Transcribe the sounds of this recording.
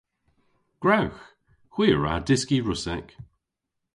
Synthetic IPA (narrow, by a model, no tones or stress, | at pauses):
ɡ̥ɹawx | hw̥iːəɹa̰dɪskiɹʊsɛk